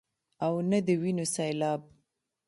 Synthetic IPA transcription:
awnad̪əwinosajlɑb̚

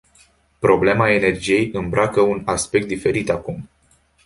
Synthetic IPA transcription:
pɾo̞ble̞mae̞ne̞rd͡ʒije̞jɨmbɾakəunaspe̞k̚t̪d̪ife̞ɾit̪akum

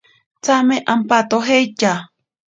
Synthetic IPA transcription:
t͡sameʔampat̪oɦejt͡ʃa

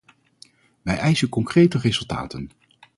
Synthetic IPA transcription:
ʋɛjʔɛjsənkɔŋkrejtərezɵlˠta̰ːtən

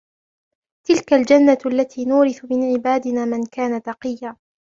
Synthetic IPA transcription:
t̪ɪlkald͡ʒanːaʔalːat̪ʰiːnuːɾɪθʊmɪnʕɪbaːd̪ɪnaːmɪnkaːnat̪ɑqɨjːaː

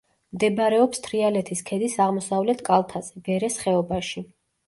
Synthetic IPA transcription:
md̪ɛbɾɛɔpst̪ʰɾialɛt̪ʰiskʰɛd̪isaʁmɔsavlɛt̪ʰkʼalˠt̪ʰazɛɡɛɾɛsχɛɔbaʃi

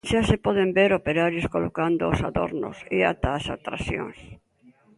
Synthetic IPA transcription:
ʃasepɔð̞embeɾopeɾaɾjoskolokand̪oːsaðo̰ɾno̰sea̰t̪aːsat̪ɾaθjõ̰ŋs

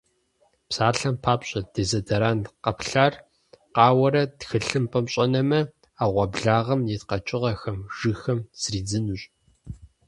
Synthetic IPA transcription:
psaːɬɐmpʰaːpɕʼɐd̥eːzɐdɐɾaːnqɐpɬaːr | qɑːwɐɾɐtxɨɬɨmpʼɐmɕʼɐnɐmɐ | aːʁʷɐbɮaːʁɐmjɛtqɐt͡ʃʼɪʁɐxɐmʒ̥ɨxɐmz̥riːd͡zɨnuɕʼ

